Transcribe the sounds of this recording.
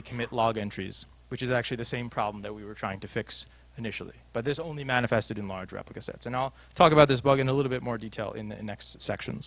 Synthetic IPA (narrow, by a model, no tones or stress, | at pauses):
ikʰəmɪʔˡlɔɡɛ̃nt͡ʃɹ̥ḭz̥ | wɨt͡ʃɨzæk̚t͡ʃʉl̩ˠiðɨsẽɪ̃mpʰɹ̥ɑ̰blə̃m̩ðɨt̚wiwə˞tʰɹ̥aɪɪ̃ŋtʰɨfɪks | ɨnɪʃl̩ˠḭb̥ʌt̪̚ðɪsõʊ̃nlimænɨfɛstɨɾɨ̃nlɑ̰ɹd͡ʒɹɛ̰pləkɨsɛ̰tsɨ̃naɪlˠ | tʰɔkəbaʊt̪̚ðɪs̬b̥ʌɡɨ̃nəlɪɾl̩ˠbɪt̚mɔɹditʰeɪlˠɪ̰̃nðɨnɛkstsɛ̰kʃɨ̰̃n̩z̥